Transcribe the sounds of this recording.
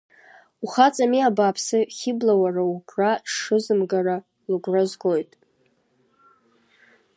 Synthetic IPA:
uχat͡sʼamiabapʰsɨχʲɪblawaraukʷʰʼraʂɨzɨmɡara | lɨɡʷrazɡo̞jtʼ

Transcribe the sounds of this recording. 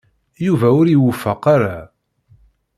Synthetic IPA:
juvæʊɾiwʊfːəqaɾa

